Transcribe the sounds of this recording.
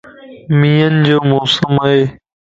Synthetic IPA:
miːənɪd͡ʑoːmoːsəmaɦeː

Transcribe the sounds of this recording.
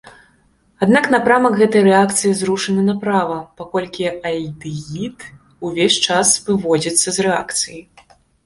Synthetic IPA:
ad̪naknapɾamɐkɣɛt̪ɐjɾɛakt̪sɨjizɾuʂɐnɨnɐpɾavɐpakɔlʲkʲiɐjd̪ɨjit̪ | uvʲesʲt͡ʂasvɨvɔd͡zʲit̪sːɐzrɛa̰kt̪sɨji

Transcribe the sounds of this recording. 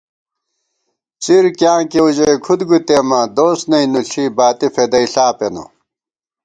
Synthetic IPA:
t͡siɾkjãːkeud͡ʑɐjkʰud̪ɡut̪emɐd̪oːsnɐinuɬʰibaːt̪ifed̪ɐiɬaːpeno̰

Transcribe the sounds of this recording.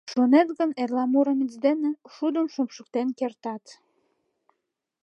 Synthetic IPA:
ʃonet̪ɣənerlɑmuɾəmit͡sd̪eneʃud̪ənʃompʃək̚t̪enkert̪ɑt̪

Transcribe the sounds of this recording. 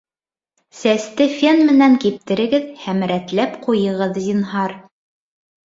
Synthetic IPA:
sæst̪ɘfʲenmɘ̆næŋkip̚t̪ɘ̆ɾɘ̆ɡɘðhæmɾæt̪læpqujɤ̆ʁɤðd̪inɦɑɾ

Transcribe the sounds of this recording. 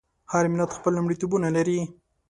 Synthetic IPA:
haɾmɪlat̪xpəlːʊmɽit̪ubunalaɾi

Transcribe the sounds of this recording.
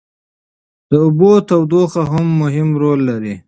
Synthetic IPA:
d̪̥əʊbot̪awd̪oxaɦamːʊɦɪmɾolːaɾi

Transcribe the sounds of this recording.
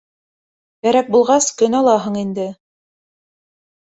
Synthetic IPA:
bæɾæk̚bulˠʁɑskɵnɑlˠɑɦɤɴind̪ɘ

